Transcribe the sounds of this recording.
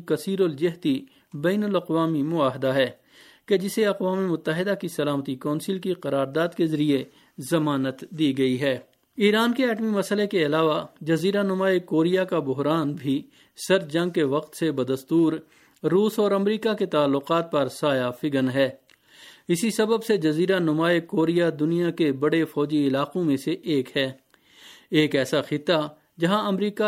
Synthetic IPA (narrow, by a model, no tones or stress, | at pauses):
kɐsiːɾold͡ʒɪɦt̪i | bɛːnʊlɐqʋaːmimʊaːɦɪd̪aɦɛː | ked͡ʒɪseɐqʋaːmemʊt̪ːəɦɪd̪akisɐlaːmət̪ikɔ̃ːnsɪlkiqɐɾaːɾd̪aːd̪kezɐɾie | zɐmaːnət̪d̪iːɡɐiɦɛː | iːɾaːnkeɛːʈmimɐsəlekeɐlaːʋad͡ʒɐziːɾanʊmaːekoːɾijakabʊɦɾaːnbʱi | sɐɾd͡ʒɐ̃ŋɡ̚keʋɐqt̪sebɐd̪əst̪uːɾː | uːsɔːɾɐmɾiːkaket̪aːlːʊqaːt̪̚pɐɾsaːjafɪɡənɦɛː | ɪsisɐbəbsed͡ʒɐziːɾanʊmaːekoːɾijad̪ʊnijakebɐɽefɔːd͡ʒiɪlaːqõmẽseʔeːkɦɛː | eːkɛːsaxɪt̪ːa | d͡ʒɐɦãɐmɾiːka